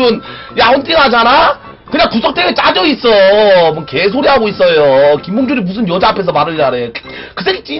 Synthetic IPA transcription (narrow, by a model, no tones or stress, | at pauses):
ɯn | jaunt͈iŋɦad͡ʑana | kɯɲaŋkusʰʌk̚t͈ʰeɡet͡ɕ͈ad͡ʑʌis͈ʌmwʌnke̞s̬ʰoɾiɦaɡois͈ʌjokimboŋd͡ʑuɾimus̬ʰɯnjʌd͡ʑaːpʰe̞s̬ʰʌmaɾɯɭd͡ʑaɾe̥ | kɯs̬ʰeɡit͡ɕ͈i